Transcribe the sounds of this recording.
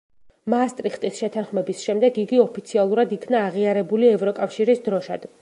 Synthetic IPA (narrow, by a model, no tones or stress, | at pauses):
maːst̪ʼɾiχt̪ʼisʃɛt̪ʰanχmɛbisʃɛmd̪ɛɡiɡiɔpʰit̪sʰialˠuɾad̪ikʰnaːʁiaɾɛbuliɛvɾɔkʼafʃiɾisd̪ɾɔʃad̪̥